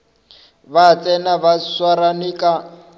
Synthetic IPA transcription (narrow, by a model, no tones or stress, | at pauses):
bat͡sʼɛnaβaswaɾanikʼa